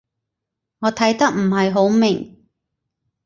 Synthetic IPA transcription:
ŋɔː˨˧t̪ʰɐ˨˥jt̪ɐ˥k̚m̩˨˩ɦɐ˨jɦo˨˥wmɪ˨˩ŋ

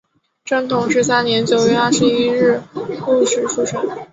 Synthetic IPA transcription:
ʈ͡ʂə˥˩ŋt̪ʰʊ˧˥ŋʂ̬ɻ̩˧˥s̬a˥nnjɛ˧˥nt͡ɕjo˨˩ʊɥɛ˥˧a˥˩ʂɻ̩˧i˥ɻɻ̩˥˧ku˥˧ʂɻ̩˨˩fu˥˩ʈ͡ʂʰə˨˩˦ŋ

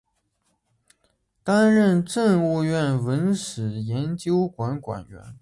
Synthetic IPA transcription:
t̪a˥nɻə˥˧nʈ͡ʂə˥˧ŋu˥˧ɥɛ˥˩nwə˧˥nʂɻ̩˨˩jɛ˧˥nt͡ɕjo˥ʊkwa˧˥nkwa̰˨˩nɥɛ̰˧˥n

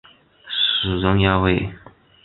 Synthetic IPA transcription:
ʂɻ̩˨˩ʈ͡ʂʊ˥ŋja˥we˥˩ɪ

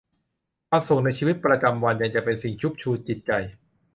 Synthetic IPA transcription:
kʰwaː˧mso˨˩ŋna˧jt͡ɕʰiː˧wi˦˥t̪̚pɾa˧t͡ɕa˧mwa˧nja˨˩ŋt͡ɕa˨˩pe˧nsi˨˩ŋt͡ɕʰu˦˥p̚t͡ɕʰuː˧t̪̚t͡ɕi˨˩t̪̚t͡ɕa˧j

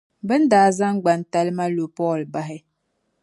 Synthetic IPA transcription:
bə˦n̩˦daː˨˦za˦ŋ˦ɡ͡ba˨n̩˨˦ta˦lma˦lo˨pɔ˦˨lba˦ɦɛ˦

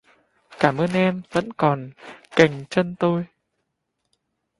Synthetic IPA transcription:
kaː˧˩mʔəː˧nʔɛ˧mvə̰˧˥nkɔ˨˩nka˨˩jŋ̟t͡ɕə˧nt̪o˧j

